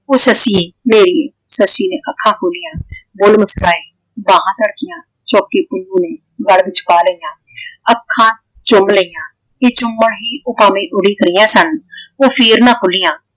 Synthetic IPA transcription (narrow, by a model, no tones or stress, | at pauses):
oːsəsieːmeːɾiesəsiːnẽːʔəkʰːãːkʰoːlɪjãːbʊlməst̪aːẽː | bãːɦãːt̪əɽkɪjãː | t͡ʃɔːkiːpʊũːneː | ɡəɽʋɪt͡ʃpaːləiːjãː | əkʰːãː | t͡ʃʊmbləijãː | eːt͡ʃʊmːəɳɦiːʔʊpaːmẽːʔʊɽiːkəɾijãːsənoːpʰiːɾnãːkʰʊlijãː